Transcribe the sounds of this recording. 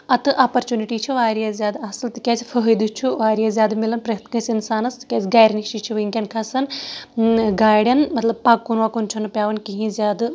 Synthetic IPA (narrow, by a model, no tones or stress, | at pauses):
ɐt̪ɨʔaːpɐɾt͡ʃuniʈiːt͡ʃʰiʋaːɾijɐzʲjaːd̪ɐsɨlt̪ɨkʲaːsifʰəɦəjd̪ut͡ʃʰuʋaːɾijɐzjaːd̪milɐnpɾɐt̪kɐ̃sʲinsaːnɐst̪ɨ̥kʲɐsʲɡaːjɾnikʃit͡ʃʰiʋɐiŋkʲɐnkʰɐsɐn | ɡaːɽʲjɐnmɐt̪lɐb̚paːkːunʋakunt͡ʃʰunɨpʲjaːʋɐnkiɦĩzʲjaːd̪ɨ